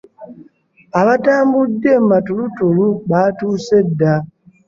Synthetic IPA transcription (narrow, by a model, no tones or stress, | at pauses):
aβataːmbudːe̞matulutuluβatuːse̞dːa